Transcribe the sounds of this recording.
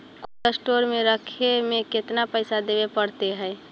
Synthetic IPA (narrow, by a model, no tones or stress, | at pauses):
koʈəsʈoɾmẽɾəkʰemẽket̪napəɪsad̪ebepəɽt̪eɦɛː